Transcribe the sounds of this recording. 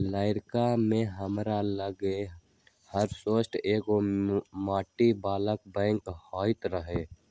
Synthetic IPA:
laːɪɾkamẽɦəmɾaləɡe | həɾsoːsʈʰeːkomaːʈibaːlək̚bɛ̃ːŋkhɔːɪt̪ɾəɦeː

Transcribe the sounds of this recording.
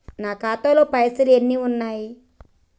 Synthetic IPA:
naːkaːt̪aloːpɐjɐsɐlenːiːunːaːji

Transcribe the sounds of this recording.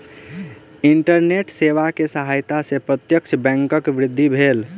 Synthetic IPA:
iɳʈəɾneʈseʋakesəɦajt̪asẽpɾət̪jəkt͡ʃʰəbɛ̃ŋkəkʋɾɪd̪ʱːibʱel

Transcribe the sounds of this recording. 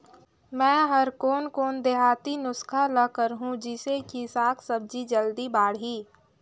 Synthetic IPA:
mɛ̃ːɦəɾkoːnkoːnd̪eɦaːt̪inʊskʰaləkəɾɦũd͡ʒɪsekisaːkʰsəb̚d͡ʒid͡ʒəld̪ibaːɽɦiː

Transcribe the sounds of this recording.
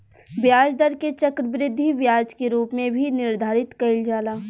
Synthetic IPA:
bjaːd͡ʒd̪əɾket͡ʃɐkɾəbɾɪd̪ʱːibjaːd͡ʒkeɾuːpmẽbʱinɪɾd̪ʱaːɾɪt̪kɐɪld͡ʒaːlaː

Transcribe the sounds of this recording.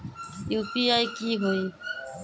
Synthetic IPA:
juːpiaikiɦoi

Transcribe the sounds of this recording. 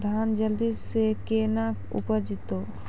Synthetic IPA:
d̪ʱaːnd͡ʒəld̪isːekeːnaːkʊ̰pəd͡ʒɪt̪oː

